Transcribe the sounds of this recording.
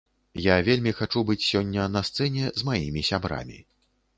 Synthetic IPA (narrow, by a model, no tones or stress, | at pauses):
javʲelʲmʲixat͡ʂubɨt͡sʲsʲɔnʲːɐnɐst̪sɛnʲɛzmajimʲisʲabɾa̰mʲḭ